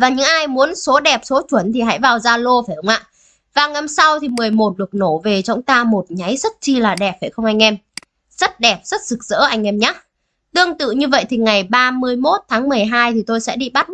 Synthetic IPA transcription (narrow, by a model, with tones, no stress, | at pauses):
vaː˨˩ɲɨ̰˧˥ŋʔaː˧jmu˨˦ənso˨˦ɗɛ˨˩p̚so˨˦t͡ɕwə˧˩nt̪ʰi˨˩ɦa̰˧˥jvaː˨˩wzaː˧lo˧faː˧˩jʔə˨˦ŋ͡mʔa̰ː˧˨ | vaː˨˩na˧msa˧wt̪ʰi˨˩mɨ˨˩əjmo˨˩t̚ɗɨ˨˩ək̚no˧˩ve˨˩t͡ɕɔ˨˧˦wŋ͡mt̪aː˧mo˨˩t̚ɲa˨˦jzə˦˥t̚t͡ɕi˧laː˨˩ɗɛ˨˩p̚faː˧˩jxə˧wŋ͡mʔa˧jŋ̟ʔɛ˧m | z̥ə˦˥t̚ɗɛ˨˩p̚z̥ə˦˥t̚sɨ˨˩k̚z̥ə̰ː˧˥ʔa˧jŋ̟ʔɛ˧mɲaː˨˦˥ | t̪ɨ˧əŋt̪ɨ̰˧˨ɲɨ˧və̰˧˨jt̪ʰi˨˩ŋa˨˩jɓaː˧mɨ˧əjmo˦˥t̚t̪ʰaː˨˦ŋmɨ˨˩əjɦaː˧jt̪ʰi˨˩t̪o˧jsɛ̰˧˥ɗi˧ɓa˦˥t̚